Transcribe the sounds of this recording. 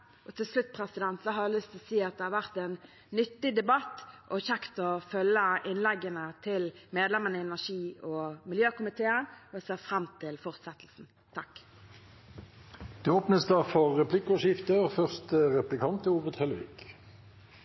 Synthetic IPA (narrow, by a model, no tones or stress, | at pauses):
ʔɔt̪ʰɪlslʉt̪ːpʰʁɛsɪd̪ɛnt̪sɔɦɑlʏst̪ʰlɔsiːɑt̪̚d̪ɛhɑʁʋæʁt̪ɛnː | ʏt̪ːɪd̪ɛbɑt̪ʔɔçɛkt̪ɔfœlːəɪnlɛɡːənət̪ʰɪlmeːd̪lɛmənəɪɛnæʂiːɔmɪljøːkʊmɪt̪ʰeːənɔseːʁfʁɑmt̪ʰɪlfɔʁt̪sɛt̪lsn̩ | t̪ʰɑk | d̪̥ʉoːpnəsd̪ɑːfɔːɛpʰlɪkːɔʃɪft̪əfœʁst̪əʁɛplɪkʰɑnt̪əuːʋəd̪hɛləʋɪ̰k